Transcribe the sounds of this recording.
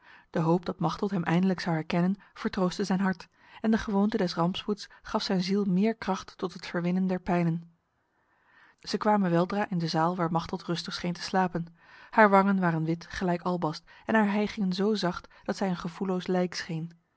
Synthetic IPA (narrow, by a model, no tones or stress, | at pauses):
d̥əɦowp̚d̥ɑtmɑχtəlˠtɦɛmʔɛjndələksɑwɦɛɹkɛnənv̥əɹtrowstəzɛjnɦɑɹt | ɛndəχəʋowntədɛsrɑmpsputsχɑfsɛjnzilˠmɪːɹkrɑχtːɔtɦətfəɹʋɪnəndɛɹpɛjnən | z̥əkʋaːmənʋɛlˠdraːʔɪndəzaːlˠʋaːɹmɑχtəlˠtrɵstəχsχejntə̥slaːpən | haːɹʋɑŋənʋaːrənʋɪtχəlɛjkɑlˠbɑstɛnɦaːɹɦɛjχɪŋənzowzɑχtd̥ɑtsɛjənχəvulowslɛjksχejn